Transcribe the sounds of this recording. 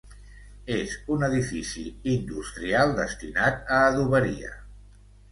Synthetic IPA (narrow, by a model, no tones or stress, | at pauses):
ezunəðifisiind̪ust̪ɾialˠd̪əst̪inat̪əːðuβəɾḭə̰